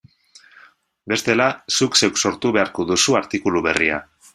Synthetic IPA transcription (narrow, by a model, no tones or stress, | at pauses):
be̞st̪e̞lasukse̞wkso̞ɾt̪uβe̞aɾko̞ðusuaɾt̪ikuluβe̞ria̰